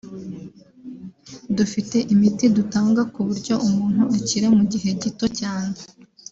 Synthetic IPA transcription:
dufite̞ʔimitidutaːŋɡakuβuɾɟo̞ʔumuːn̥huʔaciɾe̞muɟiɦe̞ɟito̞caːne

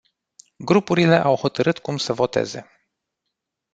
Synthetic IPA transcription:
ɡɾupuɾile̞ʔawho̞t̪əɾɨt̪kumsəvo̞t̪e̞̰ze̞̰

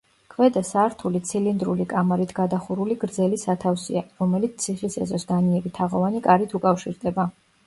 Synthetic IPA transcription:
kʰvɛd̪asaɾt̪ʰulit̪sʰilind̪ɾulikʼamaɾit̪ʰɡ̥ad̪aχuɾuliɡɾd̪zɛlisat̪ʰafsḭaɾɔmɛlit̪t̪sʰiχisɛ̰zɔsd̪aniɛbit̪ʰaʁɔvanikʼaɾit̪ʰukʼafʃiɾd̪ɛba

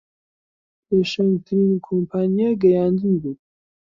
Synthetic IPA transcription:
pʰeʃɐnt̪ʰɨɾinkʰompʰaːnijaɡɐjaːnd̪ɨnbut̪̚

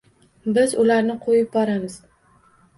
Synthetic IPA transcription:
bɪzʊlaɾnɪqʰojɪp̚bɒɾamɪz̥

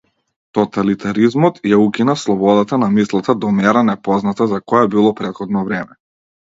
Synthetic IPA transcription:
t̪ɔt̪alit̪aɾizmɔt̪jaukʲinaslˠɔbɔd̪at̪anamislˠat̪ad̪ɔmɛɾanɛpɔznat̪azakɔjabilˠɔpɾɛt̪xɔd̪nɔvɾɛmɛ

